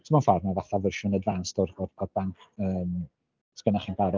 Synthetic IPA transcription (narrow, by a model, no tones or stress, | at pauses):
tʰəmɔnfarnavaθavɪrʃʊnədvanstɔrɔrɔrb̥aŋkʰəːm | skənaχinpʰaɾɔ